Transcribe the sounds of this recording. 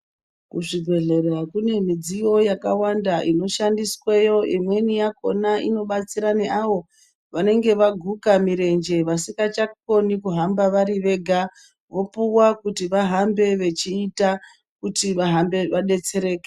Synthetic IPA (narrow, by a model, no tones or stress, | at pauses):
kuʐibʱe̞ɮe̞rakune̞mid͡zijo̞jakawandaʔino̞ʃandiswejo̞imwe̞nijako̞̰naʔḭno̞ɓat͡siɾane̞ʔaʋo̞ | ʋane̞ŋɡe̞ʋaɡʱukamiɾe̞nd͡ʒe̞ʋasikat͡ʃakko̞nikuɦambaʋaɾiʋe̞ːɡʱa | ʋo̞puwakutiʋaɦambe̞ʋe̞t͡ʃiːta | kutiʋaɦambe̞ʋaɗe̞t͡se̞ɾe̞ːke̥